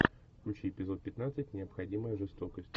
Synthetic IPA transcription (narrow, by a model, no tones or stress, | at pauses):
kʲut͡ɕiɪpʲɪzo̞t̪̚pʲɪt̪nat̪sɨtʲnʲɪəpxɐdʲiməjəʐɨst̪o̞kəsʲtʲ